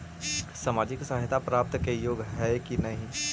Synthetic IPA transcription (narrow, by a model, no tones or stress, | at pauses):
samaːd͡ʒɪksaːɦɪt̪apɾaːp̚t̪kejoːɡɦɛkinɐɦĩ